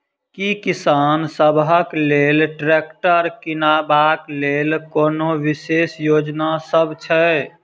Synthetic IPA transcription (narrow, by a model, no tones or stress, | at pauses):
kikisansəbɦəklelʈɾekʈəɾkinabaklelkonoʋisesjod͡ʒnasəbʱt͡ʃʰɛ